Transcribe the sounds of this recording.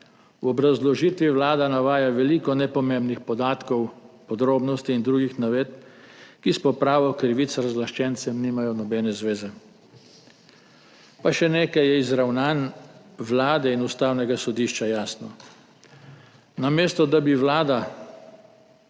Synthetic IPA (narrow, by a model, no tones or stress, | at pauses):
wɔbɾazlɔʒiːt̪ʋiʋlaːd̪anaʋaːjaʋɛliːkɔnɛpɔmembnixpɔd̪aːt̪kɔwpɔd̪ɾoːbnɔst̪iːnd̪ɾuːɡixnaʋeːt̪̚kispɔpɾaːʋɔkɾiʋit̪sɾazʋlaʃt͡ʃɛnsɛmniːmajɔnɔbɛnɛzʋeːzɛ | paʃɛneːkajɛizɾawnaːnʋlaːd̪ɛinust̪aːwnɛɡasɔd̪iʃt͡ʃajaːsnɔ | nameːst̪ɔd̪abiʋlaːd̪a